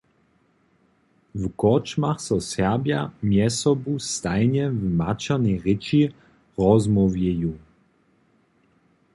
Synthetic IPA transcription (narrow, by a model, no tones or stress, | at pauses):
vkɔt͡ʃmaxsɔsɛʁbjamjɛsɔbust̪ajɲɛvmat͡ʃaniʁɪt͡ʃi | ʁɔzmɔvjɛju